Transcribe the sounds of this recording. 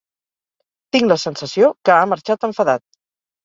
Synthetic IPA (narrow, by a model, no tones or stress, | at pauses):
t̪iŋɡləsənsəsiokəaməɾt͡ʃat̪əɱfəðat̪̚